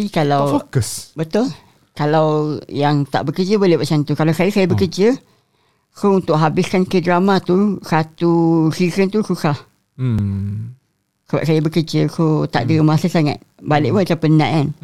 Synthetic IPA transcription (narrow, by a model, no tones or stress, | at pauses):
ikalawfokəsbət̪ʊl | kalawjaŋt̪a̰ʔbəkəd͡ʒəbolɪhbaʔsant̪ukalawsajasajabəkərd͡ʒə | kount̪ʊʔɦabɪskankədɾamat̪usat̪usikənt̪ususah | səba̰ʔ̚sajabəkəd͡ʒəkot̪a̰ʔdəmasəsaŋa̰t̪̚balɪ̰ʔmət͡ʃapənã̰ʔan